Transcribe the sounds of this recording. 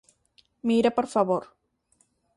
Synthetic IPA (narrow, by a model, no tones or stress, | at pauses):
miɾapoɾfaβoɾ